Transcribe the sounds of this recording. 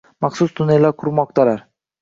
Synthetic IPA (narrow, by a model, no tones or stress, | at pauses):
mɑχsʊsd̪ʊnjalaɾkʰʊɾmɒq̚t̪ʰalaɾ